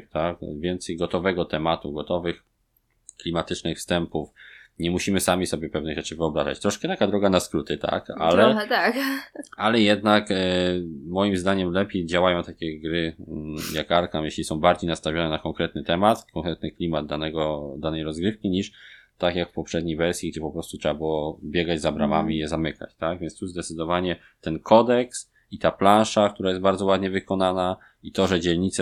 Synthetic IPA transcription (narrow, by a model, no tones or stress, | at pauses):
t̪akvʲjɛnt̪sɛjɡɔt̪ɔvɛɡɔt̪ɛmat̪uɡɔt̪ɔvɘx | klʲimat̪ɘt͡ʂnɘxfst̪ɛmpufɲɛmuɕimɘsamʲisɔbʲjɛpɛvnɘɣʐɛt͡ʂɘvɘɔbɾaza̰t͡ɕt̪ɾɔʂkɛt̪akad̪ɾɔɡanaskɾut̪ɘt̪a̰ka̰lɛt̪akalɛjɛd̪nak | mɔjimzd̪aɲɛmlɛpʲejd͡ʑawajɔ̃w̃t̪akʲɛɡɾɘjakaɾkamjeɕlʲisɔ̃w̃baɾd͡ʑejnast̪avʲjɔnɛnakɔŋkɾɛt̪̚nɘt̪ɛmat̪kɔŋkɾɛt̪nɘklʲimad̪̚d̪ːanɛɡɔd̪anɛjɾɔzɡɾɘfkʲiɲiʂt̪akʲjakfpɔpʂɛd̪̚ɲejvɛɾsʲjiɡd͡ʑɛpɔpɾɔst̪utʂɛbabɘwɔbʲjɛɡad͡ʑzabɾama̰mʲiːjɛzamɘka̰t͡ɕt̪aɡvʲjɛnst̪uzd̪ɛt̪sɘd̪ɔvaɲɛ | t̪ɛnkʰɔd̪ɛks | it̪aplãnʂak̚t̪uɾajɛst̪baɾd̪zɔwad̪ɲɛvɘkɔnana | it̪ɔʐɛd͡ʑɛlɲit̪sɛ